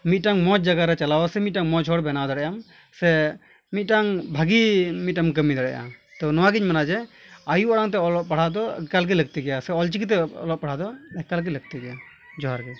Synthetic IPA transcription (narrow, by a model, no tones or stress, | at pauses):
mit̪̚ʈaŋmɔt͡ʃd͡ʒaɡaɾɛt͡ʃalawasɛmit̪̚ʈaŋmɔt͡ʃʰɔɽbɛnad̪ɔɽɛjam | sɛ | mit̪̚ˀʈaŋbʱaɡimit̪̚ʈamkəmid̪ɔɽɛ̰ja̰ | t̪ɔnɔwaɡiɲmanad͡ʒɛajuaɽaŋt̪̬ɛɔlɔʔ̚paɽ̤ad̪ɔkalɡɛləɡ̚t̪iɡɛjasɛɔlt͡ʃik̬it̪̬ɛɔ̰lɔʔ̚paɽ̤ad̪ɔɛkalɡ̬ɛləɡ̚t̪iɡɛja | d͡ʒɔɦaɾɡɛ